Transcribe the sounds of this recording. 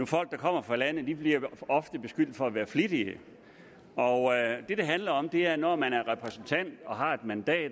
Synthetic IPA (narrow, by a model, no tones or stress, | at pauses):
nufɒ̽l̰ɡ̥̚d̥ɑ̈kʰɒ̽m̰ɐfʁɑ̈lænð̩d̥ib̥liɐɒ̽fd̥əb̥e̝sɡ̥yl̰d̥̩ˠfɒ̽æʋæːɐflid̥iə | ɒd̥e̝d̥e̝ɦænlɐɒ̽md̥e̝æɐnɒmænæɐʁɛpʰʁɛsn̩t͡sʰæn̰d̥ɒ̽ɦɑ̈e̝d̥mænd̥ɛ̰ːd